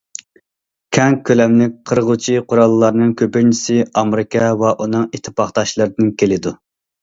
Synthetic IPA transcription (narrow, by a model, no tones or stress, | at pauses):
kʲʰɛŋkʲʰːølɛmlɪk̚ʲqʰəɾʁʊt͡ʃʰiqʰʊɾɑlˠːɑɾnɨŋkʲʰøpynt͡ʃʰi̥sɪɑmɾɪkʲʰɛvɛʔunɨŋit̪ʰːɪ̥pɑχt̪ɑʃlˠɨɾɨd̪ɪnkʲʰelɪd̪u